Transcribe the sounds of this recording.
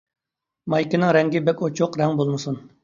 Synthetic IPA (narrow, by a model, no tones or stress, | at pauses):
mɑjkʲɪnɪŋɾɛŋɡʲɪbɛkʲot͡ʃʰoqɾɛŋbolˠmɨsun